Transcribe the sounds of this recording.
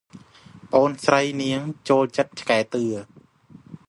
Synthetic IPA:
pəʔoːnsrəjniəŋt͡ɕoːlt͡ɕət̪̚t͡ɕʰkaɛt̪ɨə

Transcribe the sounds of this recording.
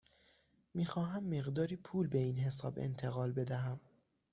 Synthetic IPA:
miːxɒːɦæmːe̞ɣd̪ɒːɾiːpʰuːlbe̞iːnɦe̞sɒ̰ːbḛnt̪ʰe̞ɣɒːlbe̞d̪æɦæm

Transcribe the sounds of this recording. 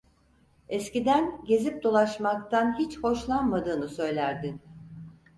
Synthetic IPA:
ɛscid̪ænɟe̞zip̚d̪o̞lˠaʃmakt̪ʰanɦit͡ʃho̞ʃlˠanmad̪ɯːnɯsø̞jlʲæɾd̪in

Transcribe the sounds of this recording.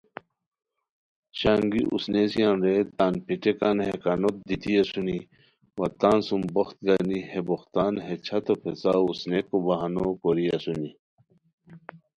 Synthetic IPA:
ɕaːŋɡḭʔṵsnesijãnɾet̪aːnpiʈekanhekanot̪̚d̪it̪iɐsuni | wɐt̪aːnsumbɐxt̪̚ɡaniheboxt̪aːnɦet͡ɕʰɐt̪opʰet͡sausnekobɐɦanokoɾiɐsuni

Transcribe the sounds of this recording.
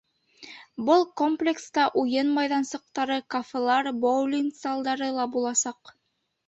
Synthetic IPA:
bɤlˠkomplʲekst̪ɑʔujɤnmɑjðɑnsɤ̆q̚t̪ɑɾɤkafʲelˠɑɾbowlʲiŋzɑlˠd̪ɑɾɤlˠɑbulˠɑsɑq

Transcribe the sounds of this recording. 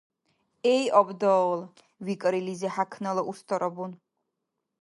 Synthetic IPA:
ɛjʔɔbd̪ɔl | vikʼɾilizɛħakʰnalɔʔust̪ʰʼɔɾɔbun

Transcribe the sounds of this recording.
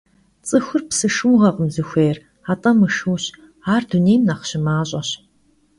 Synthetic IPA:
t͡sʼɨxʷʊrpsɨʂuːʁɐqəmzɨxʷeːr | aːtʼɐmɨʂuːɕ | aːrduneːjmnaqɕɪmaːɕʼɐɕ

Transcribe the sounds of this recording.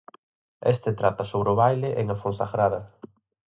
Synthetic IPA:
ḛst̪et̪ɾat̪ɐsoβɾeoβajlɪʔeŋafõnsaɣɾaðɐ

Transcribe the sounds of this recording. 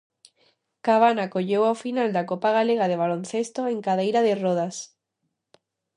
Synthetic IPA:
kaβ̞anakoʎewawfinald̪akopaɣ̞aleɣ̞aðeβ̞alõnθest̪oeŋkaðejɾaðeroð̞as

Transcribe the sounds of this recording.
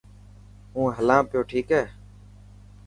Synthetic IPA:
ɦũːɦəlãːpɪjoːʈʰiːkɦɛː

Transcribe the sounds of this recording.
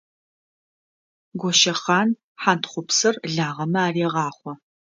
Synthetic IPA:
ɡʷɔʃɐχɑːn | ħantʰχʷʊpsɨrɮaːʁɐmɐaːreʁɑːχʷɔ

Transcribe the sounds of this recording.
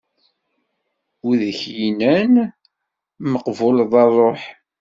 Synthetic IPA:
uðəçjinæn | məqvolðˤɑrˤːoħ

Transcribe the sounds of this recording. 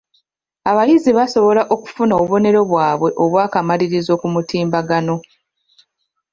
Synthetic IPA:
aβajiziβaso̞βo̞laʔo̞ku̥funaoββo̞ne̞ɾo̞βwaːβwe̞ʔo̞βwaːkamaɾiɾizo̞ːkumutiːmbaɡano̞

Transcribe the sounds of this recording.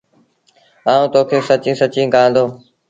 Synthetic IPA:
aːũːt̪oːkʰeːsət͡ʃĩːsət͡ʃĩːɡãːnd̪oː

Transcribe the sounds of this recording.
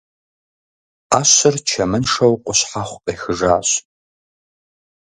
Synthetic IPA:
aːɕɪrt͡ʃʰɐmɨnʂɐwqʷʼʊɕħaχʷpʼejxɨʐaːɕ

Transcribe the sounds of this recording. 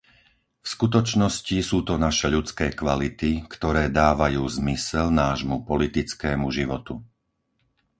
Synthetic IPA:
fskut̪ɔt͡ʃnɔscisuːt̪ɔnaʃɛʎut͡skɛːkʋalit̪ikt̪ɔɾɛːd̪aːʋajuːzmisɛlnaːʒmupɔlit̪it͡skɛːmuʒiʋɔt̪u

